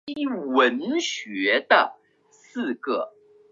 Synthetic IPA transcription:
wə˧˦˥nɕɥɛ˧˥d̪ə˨ | sɹ̩˥˧kɤ˩

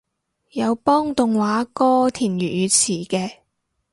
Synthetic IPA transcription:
jɐ˨˧wpɔː˥ŋt̪ʊ˨ŋwaː˨˥kɔː˥t̪ʰiː˨˩njyː˨˩jyː˨˧t͡sʰiː˨˩kɛː˧

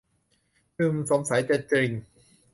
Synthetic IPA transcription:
ɯː˧mso˨˩˦msa˩˦jt͡ɕe˧˩t̪̚t͡ɕɾi˧˩ŋ

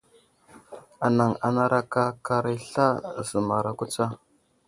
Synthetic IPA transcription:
a˨na˨ŋa˨na˦ɾʔa˦ka˦ka˦ɾi˦ɬa˦˨zə˨ma˨ɾa˨ku˦t͡sa˦

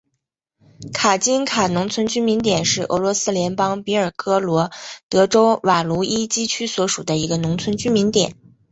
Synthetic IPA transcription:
kʰa˨˩t͡ɕi˥nkʰa˨˩nʊ˧˥ŋt͡sʰwə˥nt͡ɕy˥nmi˧˥nt̪jɛ˨˩nʂɻ̩˥˩ʔɤ̰˧˥lwɔ˧˥sɹ̩˥ljɛ˧˥npɑ˥ŋpi˧˥ə˞˨˩kɤ˥lwɔ˧˥t̪ɤ˧˥ʈ͡ʂo˥ʊwa˨˩lu˧˥i˥t͡ɕi˥t͡ɕʰy˥swɔ˧˥ʂu˨˩d̪ə˦i˧˥ɡə˧nʊ˧˥ŋt͡sʰwə˥nt͡ɕy˥mi˧˥nt̪jɛ˨˩˦n

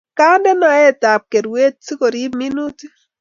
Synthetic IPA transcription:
ka˦ndɛ˦na˨ɛ˦˨ta˨p̚ke˨ɾwe˦t̚si˦ko˨ɾi˦mi˦nu˦t

